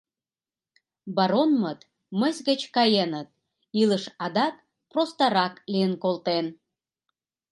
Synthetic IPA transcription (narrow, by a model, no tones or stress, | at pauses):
bɑɾonmət̪ | məsʲɣət͡ɕkɑjenət̪̚ | iləʃɑd̪ɑk̚ | prost̪ɑɾɑklijənkolt̪en